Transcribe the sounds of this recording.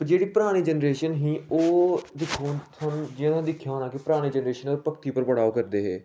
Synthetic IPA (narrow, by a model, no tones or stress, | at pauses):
pd͡ʒeːɽiːpɾaːɽ̃iːd͡ʒənɾeːʃənɦĩːoːd̪ɪkʰːuːt̪ʰand͡ʒɪjãːt̪ʰãd̪ɪkʰːjaːɦonãːkepɾaːɽ̃iːd͡ʒənɾeːʃənoːpəkt̪iːpəɾʋəɽaːokəɾd̪eːɦɛː